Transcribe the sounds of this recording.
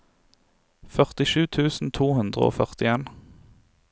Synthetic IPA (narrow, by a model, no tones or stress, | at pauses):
fœʁt̪ɪʃʉːt̪ʰʉːsn̩t̪ʰuːhʉnd̪ʁəo̰ːfœʁt̪ɪeːn